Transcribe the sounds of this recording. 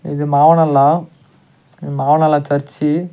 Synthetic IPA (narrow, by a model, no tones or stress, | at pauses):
ɪ̰ðɯmaːʋɐnɐlːãː | maːʋɐnɐlːãːtɐɾt͡ʃːi